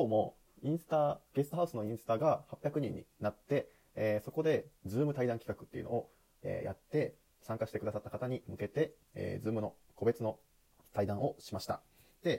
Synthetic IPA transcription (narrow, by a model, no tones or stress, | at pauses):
koːmo̞ | ĩɰ̃sɨ̥t̪aɡ̥e̞sɨ̥t̪oɦaɯ̟sɨno̞ĩɰ̃sɨ̥t̪aɡahapʲjakɯ̟ɲ̟ĩɲ̟ːḭnat̪ːe̞ | so̞ko̞d̪e̞d͡zɨːmɯ̟t̪aid̪ãŋkʲi̥kakɯ̟t̪ːeiɯ̟no̞o | ḛːja̰t̪ːe̞ | sãŋkaɕi̥t̪e̞kɯd̪asat̪ːḁkat̪aɲ̟imɯ̟ke̞t̪e̞ | ḛːd͡zɨːmɯ̟no̞ | ko̞be̞t͡sɨno̞ | t̪aid̪ãɰ̃ʔo̞ɕimaɕi̥t̪a̰ | d̪̥e̞